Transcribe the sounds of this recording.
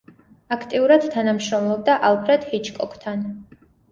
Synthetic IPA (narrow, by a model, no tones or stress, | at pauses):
akʰt̪ʼiuɾad̪̥t̪ʰanamʃɾɔmlˠɔb̚d̪aʔalˠpʰɾɛd̪̥hit͡ʃʰkʼɔkʰt̪ʰan